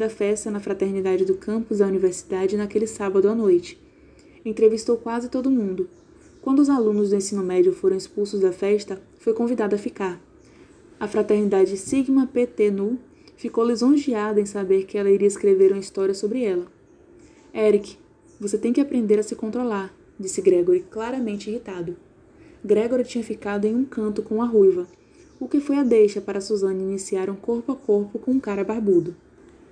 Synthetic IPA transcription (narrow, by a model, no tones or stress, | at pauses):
d̪ɐfɛst̪ɐnɐfɾat̪eɾnid̪ad͡ʒɪd̪ʊkɐ̃pʊzd̪ɐuniveɾsi̥d̪ad͡ʒɪnɐkelɪsabɐd̪ʊɐnojt͡ʃɪ̥ | ẽnt̪ɾevist̪owkwazɪt̪od̪ʊmũnd̪ʊ | kwɐ̃nd̪ʊzalũnʊzd̪ʊẽsĩnʊmɛd͡ʒiʊfoɾɐ̃w̃ispulsʊzd̪ɐfɛʃt̪ɐ | fojkõvid̪ad̪ɐfikaɾ | ɐfɾat̪eɾnid̪ad͡ʒɪsiɡmɐpet̪enu | fikowlizõʒiad̪ɐẽj̃sabeɾkɪɛlɐiɾiɐɪskɾeveɾũmɐist̪ɔɾiɐsobɾɪɛlɐ | ɛɾikɪ̥ | voset̪ẽj̃kɪapɾẽnd̪eɾɐsɪkõnt̪ɾolaɾ | d͡ʒisɪɡɾɛɡoɾɪklaɾɐmẽnt͡ʃɪihit̪ad̪ʊ | ɡɾɛɡoɾit͡ʃĩɲɐfikad̪ʊẽj̃ũkɐ̃nt̪ʊkõũɐɦujvɐ | ʊkɪfojɐd̪ejʃɐpaɾɐsuzɐ̃nɐinisiaɾũkoɾpʊakoɾpʊkõũkaɾɐbaɾbud̪ʊ